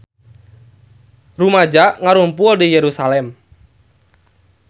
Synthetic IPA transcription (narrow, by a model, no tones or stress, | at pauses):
rumad͡ʒaʔŋaɾumpuldijɛɾusalɛm